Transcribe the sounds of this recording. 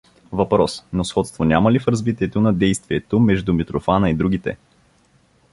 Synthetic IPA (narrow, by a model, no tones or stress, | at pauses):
vɐpɾɔsnosxɔt̪st̪vonʲaməlifɾɐzvit̪iɛt̪onɐd̪ɛjst̪viɛt̪omɛʒd̪umit̪ɾofanəid̪ɾuɡit̪ɛ̰